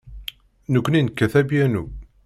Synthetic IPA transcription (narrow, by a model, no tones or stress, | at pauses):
nəkʷːninkːæθæbjænu